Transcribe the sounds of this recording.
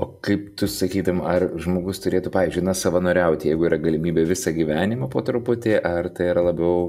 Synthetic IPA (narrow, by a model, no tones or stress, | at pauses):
oːkɐɪpt̪ʊsɐkʲiːd̪ɐmɐrʒmoːɡʊst̪ʊɾʲeːt̪ʊːpɑːʋʲiːzʲd͡ʒʲʊɪnɐsɐʋɐnoːɾʲɛʊt̪ʲɪjɛɪɡʊiːɾɐɡɐlʲɪmʲiːbʲeːʋʲɪsɐɡʲiʋʲæːnʲɪmopoːt̪ɾʊpʊt̪ʲeːʔɐrt̪ɐɪiɾɐlˠɐbʲɛʊ